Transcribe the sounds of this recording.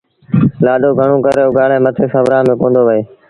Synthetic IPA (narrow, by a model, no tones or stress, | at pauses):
laːɗoːɡʱəɳ̃õːkəɾeːoɡaːɽeːmət̪ʰeːsəʋɾaːmẽːkõːnd̪oːʋəeː